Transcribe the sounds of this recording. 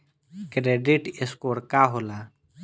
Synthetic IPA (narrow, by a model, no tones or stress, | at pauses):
kɾeːɖiʈeskoːɾkaɦola